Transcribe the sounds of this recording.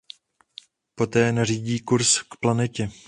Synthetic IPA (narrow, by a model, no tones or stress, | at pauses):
po̞t̪ɛːnariːɟiːkuɾskplanɛcɛ